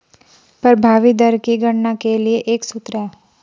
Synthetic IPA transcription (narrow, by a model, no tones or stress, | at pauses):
pəɾbʱaːʋid̪əɾkiɡəɽnakelieʔeːksʊt̪ɾɛː